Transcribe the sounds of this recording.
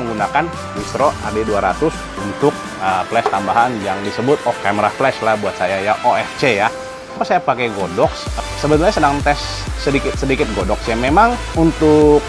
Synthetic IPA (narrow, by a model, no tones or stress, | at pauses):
əŋɡunakan | isɾoa̰daduaɾa̰t̪ʊs | unt̪ʊk̚ | əflɛst̪ambaɦanjaŋdisəbʊt̪̚ɔfkamɾaflɛʃlabuat̪̚sajajaʔoɛft͡ʃeja | apasajapakɛɡodɔkssəbət̪uɾɲasədaŋt̪ɛsː | ədikɪt̪̚sədikɪt̪̚ɡodɔksjaŋmemaŋ | unt̪ʊk̚